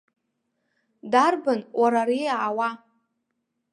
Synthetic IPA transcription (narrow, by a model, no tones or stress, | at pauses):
darbɨnwʔaɾaɾiaʕːwa